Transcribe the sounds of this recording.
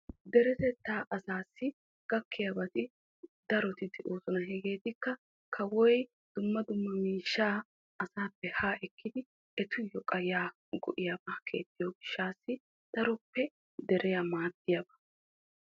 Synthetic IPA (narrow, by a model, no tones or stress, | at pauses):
d̪ɛɾɛt̪ɛt̪ːaːʔɐsaːsːɪ | ɡ̥ɐkːɪjɐbɐt̪ɪ | d̪ɐɾɔt̪ɪd̪ɪʔoːsɔnɐɦɛɡeːt̪ɪkːɐ | kʰɐwɔj | d̪̥ʊmːɐd̪ʊmːɐmiːʃːaː | ɐsaːpːɛhaːʔɛkːɪd̪ɪ | ɛt̪ʊjɔkʼɐjaː | ɡɔ̰ʔɪjɐbɐkʰe̞̰ːt̪ːɪjɔɡɪʃːaːsːɪ | d̪̥ɐɾɔpːɛ | d̪ɛɾɛjamaːd̪ːɪjɐbɐ̥